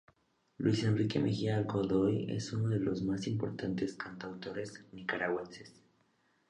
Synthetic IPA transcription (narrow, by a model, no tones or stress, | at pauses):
lwise̞nrike̞̰mʔḛxialkoðojḛsunoðe̞lo̞zmasimpo̞ɾt̪ant̪eskant̪awt̪o̞ɾe̞snikaɾaɣwenses